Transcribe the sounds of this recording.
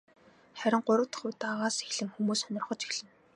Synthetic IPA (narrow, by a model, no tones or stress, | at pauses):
χæɾʲɪ̆ŋɢʊɾə̆wt̪ə̆χʊt̪aʁaːse̥xɮɘ̆ŋxumuːsɔnʲɪ̆rχɞ̆t͡ɕi̥xɮɘ̆ŋ